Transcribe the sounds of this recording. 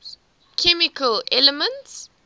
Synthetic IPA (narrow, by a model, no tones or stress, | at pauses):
kʰɛmikʰəlɛləmə̃nts